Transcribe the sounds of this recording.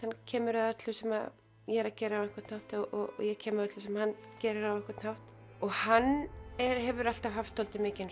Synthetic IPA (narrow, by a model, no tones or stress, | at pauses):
ancʰɛːmʏɾaðɛt̪lʏsɛmað | jɛːɾacɛːɾɪavɛhkvḁɾt̪nhawht̪ɔ̰jɛcʰɛːmaðɛt̪lʏsɛmhancɛːɾɪɾavɛhkvaɾt̪nhawht̪ | ɔɣhanːɛɾhɛvʏɾal̥t̪avɦaft̪ʰːowlt̪ɪmɪːcɪn